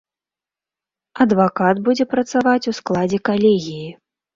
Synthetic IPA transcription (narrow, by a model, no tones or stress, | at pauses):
ɐd̪vakad̪bud͡zʲɛpɾɐt̪savat͡sʲusklˠad͡zʲɛkalʲeɛɣʲiji